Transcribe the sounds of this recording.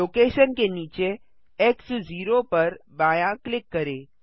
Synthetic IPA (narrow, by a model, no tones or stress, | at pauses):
oːkeːʃənkeniːt͡ʃe | eksd͡ʒiːɾopəɾbajaklɪkːəɾe